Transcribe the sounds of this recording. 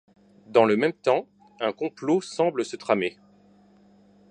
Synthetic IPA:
d̪ɑ̃ləmɛmt̪ɑ̃ | ɛ̃kɔ̃plosɑ̃bləsət̪χame

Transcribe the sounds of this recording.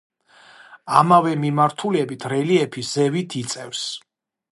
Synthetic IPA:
amavɛmimaɾt̪ʰuliɛbit̪ʰɾɛliɛpʰisz̥ɛvit̪ʰit̪sʼɛfs

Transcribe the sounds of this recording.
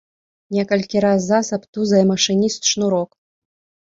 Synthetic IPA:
nʲɛkɐlʲkʲiɾazːasɐpt̪uzɐjmɐʂɨnʲist̪ʂnuɾɔk

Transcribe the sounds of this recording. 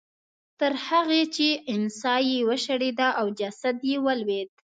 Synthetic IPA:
t̪əɾhaɣet͡ʃeɪnsɑjewəʃaɽed̪aʔawd͡ʒasad̪jewəlwed̪̚

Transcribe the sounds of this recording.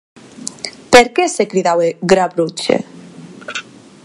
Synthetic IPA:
peɾkesekɾiðaweɡɾaβɾut͡ʃḛ

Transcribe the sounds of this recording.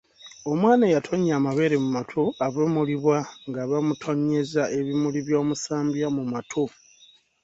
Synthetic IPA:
o̞mwaːnajatʰo̞ɲaːmaβe̞ːɾe̞mumatʰoaβomuliβwaŋɡaβamutʰo̞ɲːe̞zaʔe̞βimuliβjo̞ːmusaːmbjamumatʰo

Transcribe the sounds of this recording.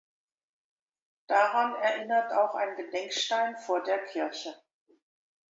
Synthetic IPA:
d̥aʁanɛɐʔɪnɐtaʊxa̰ɪnɡədɛŋkʃtaɪnfoːɐdeːɐkʰɪɐçə

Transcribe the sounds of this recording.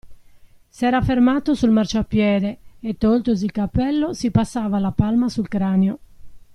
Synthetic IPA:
sɛːɾafeɾmaːt̪osulmart͡ʃoapːjɛːɾeet̪ːolt̪ozilkapːɛlːosipasːaːvalapalmasulkɾaːneo

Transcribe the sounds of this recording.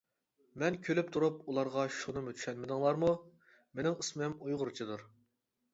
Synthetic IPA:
mɛnkʲʰølyp̚t̪ʰuɾupulˠɑɾʁɑʃunɨmut̪ʰy̥ʃɛnmɪd̪ɨŋlˠɑɾmu | menɪŋɨsmɛmujʁʊɾt͡ʃʰid̪uɾ

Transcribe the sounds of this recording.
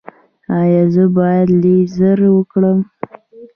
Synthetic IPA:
ɑjɑzəbɑjad̪lezəɾwəkɽəm

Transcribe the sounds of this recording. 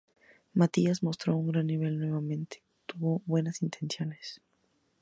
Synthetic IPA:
mat̪iazmo̞st̪ɾo̞uŋɡɾanːiβ̞e̞lnwe̞β̞amẽ̞nt̪e̥ | t̪uβoβwe̞nasint̪ʰe̞nsjo̞nes

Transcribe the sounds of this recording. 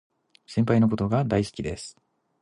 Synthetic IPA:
sẽ̞mpaino̞k̬o̞t̪o̞ɡad̪aiskʲid̪e̞sɨ̥

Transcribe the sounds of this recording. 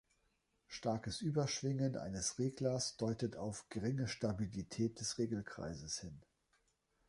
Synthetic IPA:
ʃtaɐkəsʔyːbɐʃv̥ɪŋənʔa̰ɪnəsʁeːɡlɐsd̥ɔʏtətʰaʊfɡ̥əʁɪŋəʃtabilitʰɛːt̚d̥ɛsʁeːɡl̩kʁ̥a̰ɪzəshɪn

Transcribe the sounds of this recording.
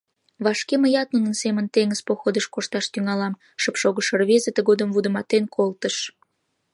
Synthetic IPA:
βɑʃkeməjɑt̪̚munənsemənt̪eŋəzpoxod̪əʃkoʃt̪ɑʃt̪yŋɑlɑm | ʃəpʃoɣəʃərβezet̪əɣod̪əmvud̪əmɑt̪enkʰolt̪əʃ

